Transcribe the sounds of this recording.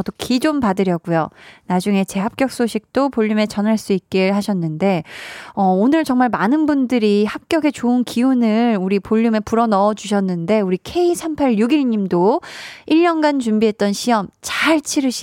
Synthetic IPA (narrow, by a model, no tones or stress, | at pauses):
ʌdokʰid͡ʑompadɯɾjʌɡujonad͡ʑuŋe̞t͡ɕe̞ɦap̚k͈jʌk̚s͈oɕʰik̚t͈opoʎːume̞t͡ɕʌnɦaɭs͈uik̚k͈eɭɦaɕʰʌnːɯnde̞ʌonɯɭt͡ɕʌŋmaɭmanɯnbundɯɾihap̚k͈jʌɡe̞t͡ɕoɯnkʰiunɯɭuɾipoʎːume̞puɾʌnʌd͡ʑuɕʰʌnːɯnde̞uɾikʰe̞isʰampʰaɭjuɡiɭɲimdoiʎːʌnɡant͡ɕumbiɦe̞t̚t͈ʌnɕʰiʌmt͡ɕaɭt͡ɕʰiɾɯɕʰi